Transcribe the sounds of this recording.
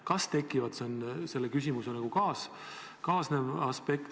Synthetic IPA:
kɑst̪e̞kːˑivɑd̪̥sense̞lːekys̬ʲimusenɑɡ̥ukɑːs | kɑːsnevɑspe̞kt̪

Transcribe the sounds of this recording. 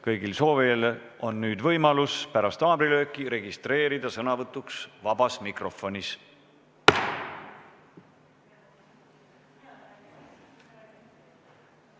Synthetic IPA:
kɤjɡilso̞ːvelʔo̞nːyːd̪vɤjmɑluspæɾɑst̪ɑːbɾilø̞ːkːˑiɾe̞ɡist̪re̞ːɾid̪ɑsɤnɑvɤt̪ːˑuksvɑb̥ɑsmikro̞fo̞nʲis

